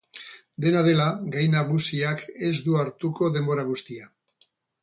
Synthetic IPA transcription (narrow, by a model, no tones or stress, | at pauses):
d̪e̞naðe̞laɡajnaɣ̞usiake̞zd̪uaɾt̪uko̞ðe̞mbo̞ɾaɣ̞ust̪ia